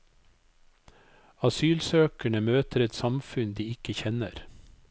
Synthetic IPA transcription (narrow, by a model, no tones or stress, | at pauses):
ɑsyːlsøːkəɳəmøːt̪əɾɛt̪sɑmfʉnd̪iːɪkəçɛnə̰ɾ